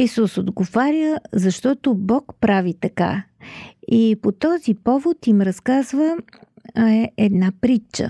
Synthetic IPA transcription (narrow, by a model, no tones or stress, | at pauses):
isusod̪ɡovaɾʲjəzɐʃt̪ɔt̪obɔkpɾavit̪ɐka̰ | ipot̪ɔzipɔvot̪imɾɐskazvə | ɛd̪napɾit͡ʃːə̰